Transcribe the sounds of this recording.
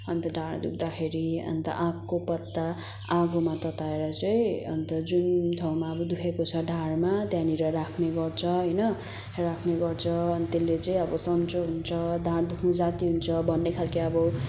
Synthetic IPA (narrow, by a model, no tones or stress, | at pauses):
ʌnt̪ʌɖʱaɽd̪uk̚ʰd̪akʰeɾiʌ̰nt̪ʌ̰ʔãkːopʌt̪ːa | ãɡomat̪ʌt̪aeɾʌt͡sʌĩʌ̰nt̪ʌd͡zunʈʰaw̃maʌbʌd̪ukʰekot͡sʰʌɖʱaɽmat̪janiɾʌɾakʰneɡʌrt͡sʰʌɦʌjnʌ | rakʰneɡʌrt͡sʰʌʌnit̪elːet͡sʌĩʌbʌsʌnt͡soɦunt͡sʰʌd̪ʱaɽd̪ukʰnʌd͡zat̪iɦunt͡sʰʌbʱʌnːekʰalkiʌbʌ